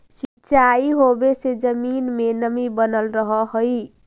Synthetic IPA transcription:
sit͡ʃaiɦobesed͡ʒəminmenəmibənəlɾəɦəɦoj

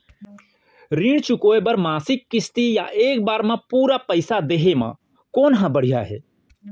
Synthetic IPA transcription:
ɾĩːɽ̃t͡ʃʊkoːebəɾmaːsɪkːɪst̪ija̰ʔeːkbaːɾmãpuːɾapəɪsad̪eːɦemã̰ | koːnɦãbəɽ̤ijaɦɛ̰ː

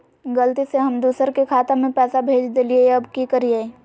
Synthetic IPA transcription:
ɡɐlt̪iseɦɐmd̪uːsəɾkekʰaːt̪ãmẽpɛːsabʱeːd͡ʒd̪eːlieɐbkikəɾieː

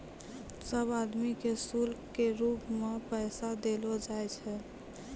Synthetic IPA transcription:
səbad̪mikesulkkeɾupmepɛɪsad̪elod͡ʒajt͡ʃʰɛ

